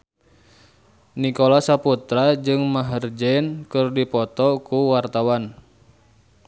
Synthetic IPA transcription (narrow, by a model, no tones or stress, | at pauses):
nikolasaput̪ɾad͡ʒɨŋmaɦərd͡ʒɛnkɨrdipɔt̪ɔkuwart̪awan